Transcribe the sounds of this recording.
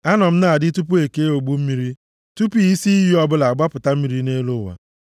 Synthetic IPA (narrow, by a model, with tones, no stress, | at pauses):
a˦nɔ˨m̩˦na˨a˨dɪ˦tu˦p̬u˦e˨ke˦o˨ɡ͡bu˦m̩˦mi˦ɾi˦ | tu˦pi˦i˦si˦ɦi˦ɔ˦bʊ˦la˨a˨ɡ͡ba˦pʊ˨ta˦m̩˦mi˨ɾi˦ne˦lo˦˨wa̰˨